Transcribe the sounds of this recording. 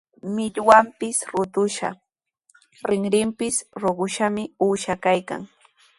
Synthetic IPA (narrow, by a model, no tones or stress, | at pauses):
mɪʎwampɪsɾʊt̪ʊʃa̰ | ɾɪŋɾɪmpɪsɾoɢʊʃamɪuːʃakajka̰ŋ